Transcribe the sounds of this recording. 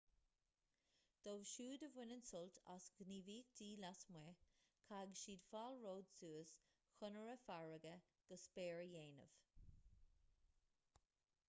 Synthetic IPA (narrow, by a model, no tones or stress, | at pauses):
d̪̥oːvʃuːd̪əvwɪnənsʊltʰa̰sɡ̥niːviːk̚d̪̥iːlasmwɛkʰaɡəʃiːd̪faːlɹoːd̪suːəs | xʊnəɹəfaɹəɡə | ɡ̥əspeːɹəjeːnə̰v̥